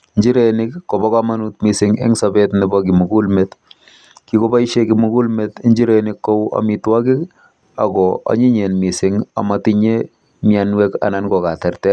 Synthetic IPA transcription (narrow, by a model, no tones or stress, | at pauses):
ɲd͡ʒiɾenɪkːobɔkamanutmisɪŋḛŋsabetnɪbɔkimuɡulmet | kikobaiʃekimukulmetiɲd͡ʒiɾenɪkːowa̰mitwakɪk | a̰kɔa̰ɲiɲenmisɪŋa̰matiɲe | mjanwɛka̰nankɔkatɛrtɛ